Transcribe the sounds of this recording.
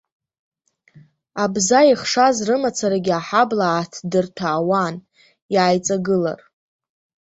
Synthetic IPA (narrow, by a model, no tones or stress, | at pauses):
abzaiχʂazrɨmat͡sʰaɾaɡʲaħablaːtʰdɨrtʰaːwan | jaːjt͡sʼaɡɨla̰r